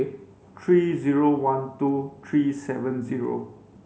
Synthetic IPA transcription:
t̪ʰɹiziɹowãntut̪ʰɹisɛvə̃nziɹo̰

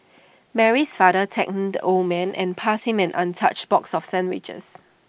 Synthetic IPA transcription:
mɛɹisfadətʰɛk̚domɛ̃nʔɛ̰̃npʰasĩmɛ̃nʔãntʰat͡ʃb̥ɔksɔfsɛ̃nwɪt͡ʃə̰s

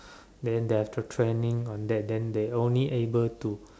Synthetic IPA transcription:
dɛ̃ndeaftətʰɹenĩŋɔ̃ndɛt̚dɛ̃ndeõnliʔebəltu

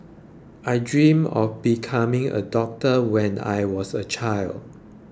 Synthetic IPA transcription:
ʔajdɹĩmɔ̰fbikʰamɪ̃ŋə̰dɔk̚təwɛ̃na̰jwɔsət͡ʃʰaɪld

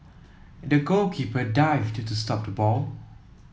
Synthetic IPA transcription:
dəɡolkʰipədaɪvttustɔp̚dəbɔl

